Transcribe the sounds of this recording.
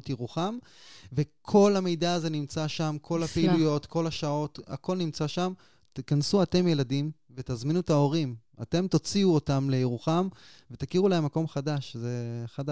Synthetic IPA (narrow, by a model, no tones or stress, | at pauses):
t̪iʁuχam | ve̞kʰo̞lamejdaːze̞nimt͡saʃamkʰo̞lapeilujo̞t̪ko̞laʃao̞t̪a̰ko̞lnimt͡saʃam | t̪ikansuate̞mje̞ladim | ve̞t̪azminut̪ao̞ʁim | a̰te̞mt̪o̞t͡siuotamle̞jeʁuχamve̞t̪akiʁulahemːako̞mχadaʃze̞χada